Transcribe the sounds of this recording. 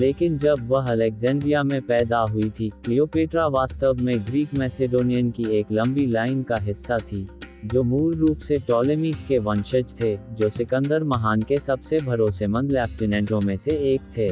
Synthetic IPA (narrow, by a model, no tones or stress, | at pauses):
leːkɪnd͡ʒɐbʋɐɦɐlɛkzɛ̃ːɳɖɾijamẽpɛːd̪aɦʊit̪ʰiklioːpeːʈɾaʋaːst̪əʋmẽɡɾiːkmɛːsɪɖoːnijənkieːklɐ̃mbilaːɪnkaɦɪsːat̪ʰid͡ʒoːmuːɾːuːpseʈɔːlɪmɪkkeʋɐ̃nʃəd͡ʒt̪ʰed͡ʒoːsɪkə̃nd̪əɾmɐɦaːnkesɐbsebʱɐɾoːsemə̃nd̪lɛːpʈɪnɛ̃ːɳʈõmẽseeːkt̪ʰeː